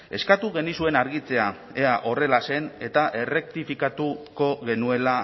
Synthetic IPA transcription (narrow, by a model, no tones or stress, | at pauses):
e̞skat̪uɣe̞nisue̞naɾɣit͡se̞a | e̞aʔo̞re̞lase̞ne̞t̪aʔe̞re̞k̚t̪ifikat̪uko̞ɣe̞nue̞la